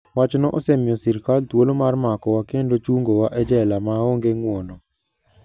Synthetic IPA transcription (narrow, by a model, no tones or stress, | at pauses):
wat͡ʃnɔʔɔsɛmɪɔsiɾkaltwolomarmakɔwakendot͡ʃuŋɡowaʔɛd͡ʒɛlamaoŋɡeŋwonɔ